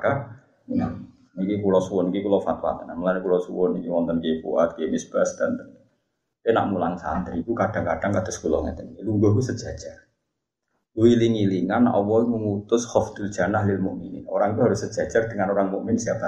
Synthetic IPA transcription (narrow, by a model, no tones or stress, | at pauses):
ka | a | ikikulɔsuwʊnikikulɔfat̪̚wa̰t̪ənaməlankulɔsuwʊnikiwɔnt̪ənkefṵa̰t̪̚kemɪsb̥asd̪̥ant̪ən | kena̰ʔmulaŋsa̰nd̪aɾikukad̥aŋkad̥aŋkad̥̪a̤skulɔ̰ŋa̰t̪ənikiluŋɡɔhkusəd̥ʒ̥ḁʒ̥ar | luiliŋiliŋanʔɔwɔiməmut̪ʊshɔft̪ɪl̥ʒ̥a̤naɦlɪlmuʔminɪ̰noɾaŋit̪uɦaɾʊsːə̥ʒ̥ḁd͡ʒ̥ard̥əŋanoɾaŋmuʔmɪnsiapa